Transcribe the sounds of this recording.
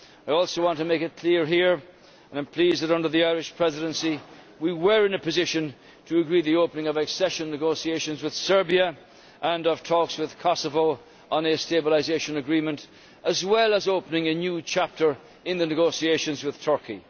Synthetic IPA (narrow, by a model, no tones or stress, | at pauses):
aɪɔlˠsoʊwɑ̃ntɨəmeɪkɨt̚kʰl̥ɪɹɦiɹ | ə̃nãɪ̃mpʰl̥izðɨɾʌ̃ndə˞ðiaɪɹɨʃpʰɹ̥ɛzɨɾɨ̃nsi | wiwə˞ɨ̃nɨpɨzɪʃɨ̃n | tʰɨːɡɹiðioʊpənɪ̃ŋʌvɨksɛʃɨ̃nːɨɡoʊsieɪʃɨ̃nzwɨð̥sɜ˞biə | ʔə̃nʌv̥tʰɔkswɨð̥kʰɑsəvoʊ | ə̃nɨsteɪbəlˠɪzeɪʃɨ̃nɨɡɹĩmɨ̃nt | ʔəzwɛlˠəzoʊpənɪ̃ŋɨnjʉt͡ʃʰæp̚tʰə˞ | ɨ̃nðɨnɨɡoʊsieɪʃɨ̃nzwɨð̥tʰɜ˞ki